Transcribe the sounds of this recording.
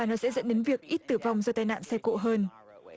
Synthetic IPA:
aː˨˩nɔ˨˦sɛ̰˧˥zə̰˧˥nɗe˨˦nvi˨˩ək̚ʔi˦˥t̚t̪ɨ˧˩va˨˩wŋ͡mzə˧t̪aː˧jna̰ː˧˨nsɛ˧ko̰˧˨ɦəː˧n

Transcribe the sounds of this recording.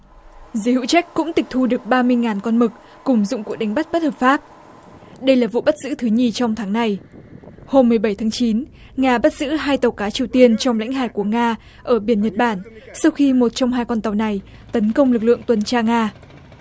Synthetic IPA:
zə˨˦hɨ̰˧˨t͡ɕa˦˥k̚kːʊ̰˧˥ŋ͡mt̪ï˨˩k̚t̪ʰu˧ɗɨ˨˩ək̚ɓaː˧mɨ˧əjŋaː˨˩nkɔ˧nmɨ˨˩k̚ | kʊ˨˩ŋ͡mzʊ̰˧˨ŋ͡mku˧˨˩k̚ɗa˨˦ŋ̟ɓa˦˥t̚ɓt̚həː˨˩p̚faː˦˥p̚ | ɗə˧jlaː˨˩vṵ˧˨ɓa˦˥t̚z̥ɨ̰˧˥t̪ʰɨ˨˦ɲi˨˩t͡ɕɔ˧wŋ͡mt̪ʰaː˨˦ŋna˨˩j | ho˧mːɨ˨˩əjɓə˧˩jt̪ʰaː˨˦ŋt͡ɕi˨˦n | ŋaː˧ɓa˦˥t̚zɨ̰˧˥ɦaː˧jt̪ə˨˩wkaː˨˦t͡ɕi˨˩əwt̪i˧ənt͡ɕɔ˧wŋ͡mla̰˧˥jŋ̟ɦaː˧˩jku˧˩əŋaː˧ | ʔəː˧˩ɓi˧˩ənɲə˨˩t̚ɓaː˧˩nsa˧wxi˧mo˨˩t̚t͡ɕɔ˧wŋ͡mhɦaː˧jkɔ˧nt̪a˨˩wna˨˩j | t̪ə˨˦nkə˧wŋ͡mlɨ˨˩k̚lɨ̰˧˨əŋt̪wə˨˩nt͡ɕaː˧ŋaː˧

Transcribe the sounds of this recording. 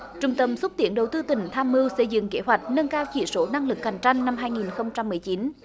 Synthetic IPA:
t͡ɕʊ˨˩ŋ͡mt̪ə˧˩msə˦˥t̚t̪i˧˩ənɗə˨˩wt̪ɨ˧t̪ï˨˩ŋ̟t̪ʰaː˧mːɨ˧wsə˧˩jzɨ̰˧˨ŋke˨˦ɦwa˨˩jk̟̚nə˧nkaː˧wt͡ɕḭ˧˩so˨˦na˧ŋlɨ˨˩k̚ːa˨˩jŋ̟t͡ɕa˧jŋ̟na˧mɦaː˧jŋi˨˩nxə˧wŋ͡mt͡ɕa˧mːɨ˨˩əjt͡ɕi˨˦n

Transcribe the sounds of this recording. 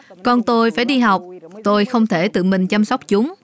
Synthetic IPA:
kɔ˧nt̪o˧jfaː˧˩jɗi˧ɦa˨˩wk͡p̚t̪o˧jxə˧wŋ͡mt̪ʰe˧˩t̪ɨ̰˧˨mï˨˩ŋ̟t͡ɕa˧msa˦˥wk͡p̚t͡ɕʊ˨˦ŋ͡m

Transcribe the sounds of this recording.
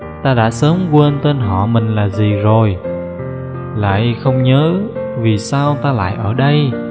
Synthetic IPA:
t̪aː˧ɗa̰ː˧˥səː˨˦mkwe˧nt̪e˧nɦɔ̰˧˨mï˨˩ŋ̟laː˨˩zi˨˩zo˨˩j | la̰ː˧˨jxə˧wŋ͡mɲəː˨˦vi˨˩saː˧wt̪aː˧la̰ː˧˨jʔəː˧˩ɗə˧j

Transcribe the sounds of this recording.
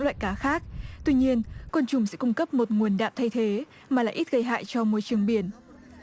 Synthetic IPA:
ŋlwa̰ː˧˨jkaː˨˦xaː˦˥k̚t̪wi˧ɲi˧ənkwə˧nt͡ɕʊ˨˩ŋ͡msɛ̰˧˥kʊ˧ŋ͡mkə˦˥p̚mo˨˩t̚ŋu˨˩ənɗa̰ː˧˨m̚t̪ʰa˧jt̪ʰe˨˦ | maː˨˩la̰ː˧˨jʔi˦˥t̚ɣə˧jɦa̰ː˧˨jt͡ɕɔ˧mu˧jt͡ɕɨ˨˩əŋɓi˧˩ən

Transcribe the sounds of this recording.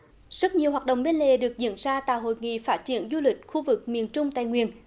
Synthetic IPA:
z̥ə˦˥t̚ɲi˨˩əwɦaː˨˩t̚ɗə̰˧˨wŋ͡mɓe˧nlḛ˨˩ɗɨ˨˩ək̚zḭ˧˥ənzaː˧t̪a̰ː˧˨jɦo̰˧˨jŋḭ˧˨faː˦˥t̚t͡ɕi˧˩ənzu˧lï˨˩k̟̚xu˧vɨ˨˩k̚mi˨˩ənt͡ɕʊ˧ŋ͡mt̪aː˧˨jŋwḭ˨˩ən

